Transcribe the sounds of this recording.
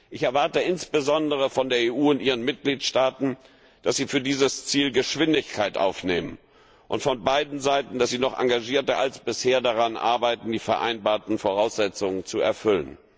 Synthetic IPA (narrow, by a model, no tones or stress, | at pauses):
ʔɪçɛɐvaɐtəɪnsb̥əzɔndəʁ̞əfɔndeːɐeːʔuːʊntʔiːʁ̞ənmɪt̚ɡ̥liːtʃtaːtn̩ | d̥asz̥iːfyːɐdiːzəst͡siːlɡəʃv̥ɪndɪçkʰaɪtʔa̰ʊfneːmən | ʔʊ̰ntfɔnbaɪdn̩zaɪtn̩d̥asz̥iːnɔχʔa̰ŋɡaʒiːɐtəʔa̰lsb̥ɪsheːɐdaʁanʔa̰ɐbaɪtn̩diːfɛɐʔa̰ɪnbaːɐtn̩foʁaʊsz̥ɛt͡sʊŋənt͡suɛ̰ɐfʏlən